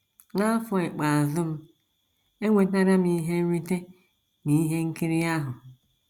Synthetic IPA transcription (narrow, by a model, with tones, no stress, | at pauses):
ŋa˦fʊ˨ɪ˨k͡pa˨a˨zʊ˦m̩˦ | e˦ŋʷe˨˦na˦ɾa˦m̩i˦ɦe˦n̩˦ɾi˦te˦ | ni˨i˦ɦe˦ŋ̩˦ki˦ɾi˦a˦ɦʊ˨